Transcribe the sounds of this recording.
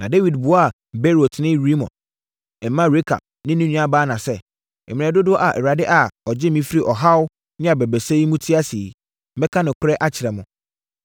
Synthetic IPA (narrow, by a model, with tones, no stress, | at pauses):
nã˨de˦wi˨dbʊ˨ɔ˦a˨ | be˦ɾo˨tʰnɪ̃˦ɾi˦mɔ̰̃˨n | ɛ˨mːã˦ɾe˦kʰa̰˨b̚nɪ̃˦nĩ˦nũ˦a˦baː˦nã˨sɛ˦ | ɛ˨m˨ɛ̃˨dʊ˦dʊ˦ɔ˦ʔa˨ʔɛ˨ɾa˨dɪ˦ʔa˨ɔ˨d͡ʑɪ˦mĩ˦fi˦ɾi˦ʔɔ˨ɦa˦w | nɪ̃˦a˨bɛ˨bɛ˨se˦i˦mũ˦tʰi˦a˦si˨˦ | bɛ˦kʰã˦nɪ̃˨kʷʰʊ˦ɾɛ˦ʔa˦t͡ɕʰɪ˨ɾɛ˨mʊ̃˨